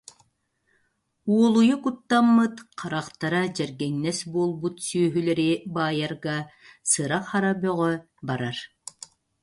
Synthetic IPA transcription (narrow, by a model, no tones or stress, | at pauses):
uɔlˠujukut̪ːamːɯt̪qʰaɾaqt̪aɾad͡ʑɛɾɡɛŋnɛsbuɔlˠbut̪syœɦylɛɾibaːjaɾɡa | sɯɾaχaɾabœʁœ | baɾaɾ